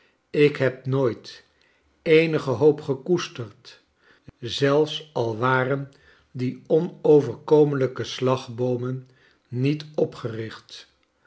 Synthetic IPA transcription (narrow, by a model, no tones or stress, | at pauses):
ɪkɦɛp̚noːjt | ejnəχəɦowpχəkustərt | zɛlˠfsɑlˠʋaːrən | diɔnowvəɹkowmənləkəslɑχbowmənː | itɔpχərɪχt